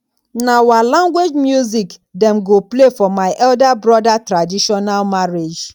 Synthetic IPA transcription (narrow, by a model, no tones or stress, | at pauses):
nawalãŋɡwed͡ʒmjuzikdɛ̃mɡoplefɔmaɪʔɛldabɹɔdatɹadiʃɔnalmaɹed͡ʒ